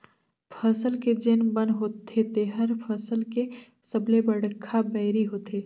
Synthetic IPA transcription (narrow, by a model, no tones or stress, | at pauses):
pʰəsəlked͡ʒenbə̃nɦoːt̪ʰːet̪eɦəɾpʰəsəlke | səblebəɽkʰːabɛːɾiɦoːt̪eː